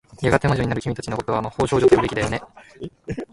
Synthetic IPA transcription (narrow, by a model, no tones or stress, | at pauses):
jaɡat̪e̞maʑoɲ̟inaɾɯ̟imʲit̪at͡ɕinoko̞t̪o̞βamaho̞ːɕo̞ːʑo̞t̪oɯbekʲid̪ajone̞